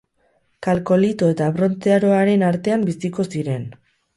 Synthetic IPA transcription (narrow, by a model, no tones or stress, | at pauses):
kalko̞lit̪oe̞t̪aβɾo̞nt̪eaɾo̞aɾe̞naɾt̪e̞ambisiko̞siɾe̞n